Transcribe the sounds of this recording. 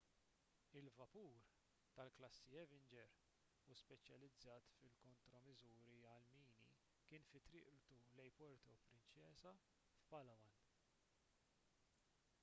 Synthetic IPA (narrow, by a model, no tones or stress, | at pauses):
ɪlvɐpuːɾ | t̪ɐlklɐsːiɛvɪnd͡ʒɛɾ | uspɛt͡ʃjɐlɪd͡zːɐːt̪fɪlkɔnt̪ɾɔmɪzuːɾiɐlmiːnḭ | kɪːnfɪt̪ɾɪːʔt̪ulɛjpɔɾt̪ɔpɾɪnt͡ʃɛːsɐ | fpɐlɐwɐn